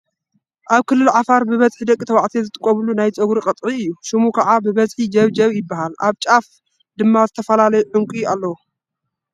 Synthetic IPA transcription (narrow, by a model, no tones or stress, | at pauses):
ʔaβkʰɨlːɨlʕafaɾbɨβɐzʼħid̪ɐkʼːit̪ʰɐwaʕt̪ʰizɨt̪ʰʼɨkʼːɐβlunajt͡sʼɐɡuɾiqʼɐt̪ʼʕiɨjːuʃɨmukʰɐʕabɨβɐzħid͡ʒɐβd͡ʒɐβjɪbːahalʔa̰βt͡ʃʼaf | d̪ɨmːazɨt̪ʰɐfɐlalɐjuħʊŋkʷʼialːɐwu